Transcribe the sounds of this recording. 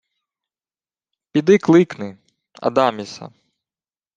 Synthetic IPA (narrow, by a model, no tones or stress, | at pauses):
pʲid̪ɪklˠɪknɪ | ɐ̰d̪ɑmʲisɐ̰